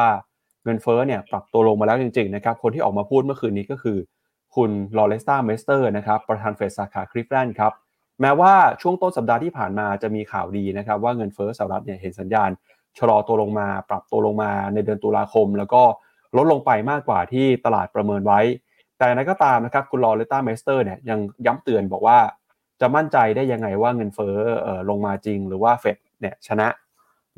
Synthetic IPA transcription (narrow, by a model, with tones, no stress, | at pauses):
waː˥˩ | ŋɤ˧nfɤː˦˥ni˥˩ɐpɾa˨˩p̚t̪u˧ɐlo˧ŋmaː˧lɛː˦˥wt͡ɕi˧ŋt͡ɕi˧ŋna˦˥kʰa˦˥p̚kʰo˧nt̪ʰiː˥˨ɔː˨˩k̚maː˧pʰuː˥˩t̪̚mɯ˥˩əxʰɯː˧nːiː˦˥kɔː˥˩kʰɯː˧ | kʰu˧nlɔː˧le˦˥st̪aː˥˩me˦˥st̪ɤː˥˩na˦˥kʰa˦˥pːɾa˧t̪ʰaː˧nfe˨˩saː˨˩˦kʰaː˩˦kʰɾi˦˥p̚lɛ˥˩nkʰa˦˥p̚ | mɛː˦˥waː˥˩t͡ɕʰu˥˩əŋt̪o˥˩nsa˨˩p̚daː˧t̪ʰiː˥˩pʰa̰ː˨˩nmaː˧t͡ɕa˨˩miː˧kʰa̰ː˨˩wdiː˧na˦˥kʰa˦˥p̚waː˥˩ŋɤ˧nfɤː˦˥sa˨˩˦ɾa˦˥t̪̚ni˥˩ɐɦe˩˦nsa˩˦njaː˧n | t͡ɕʰa˧lɔː˧t̪u˧əlo˧ŋmaː˧pɾa˨˩p̚t̪u˧əlo˧ŋmaː˧na˧jdɯ˧ənt̪uː˧la̰ː˧kʰo˧mlɛː˦˥wkɔː˥˩ | lo˦t̪̚lo˧ŋpa˧jmaː˥˩kːwa̰ː˨˩t̪ʰiː˥˩t̪a˧la̰ː˨˩t̪̚pɾa˧mɤː˧nwa˦˥j | t̪ɛː˨˩ɾa˧jkɔː˥˩t̪aː˧mna˦˥kʰa˦˥p̚kʰu˧nlɔː˧le˦˥t̪aː˥˩meː˦˥st̪ɤː˥˩ni˥˩əja˧ŋja˦˥mt̪ɯ˨˧˩ənbɔː˨˩k̚waː˥˩ | t͡ɕa˨˩ma˥˩nt͡ɕa˧jdaː˥˩jːa˧ŋːa˧jwaː˥˩ŋɤ˧nfɤː˦˥ʔɤː˨˩lo˧ŋmaː˧t͡ɕi˧ŋɾɯː˩˦waː˥˩fe˨˩t̚ni˥˩ət͡ɕʰa˧na˦˥ʔ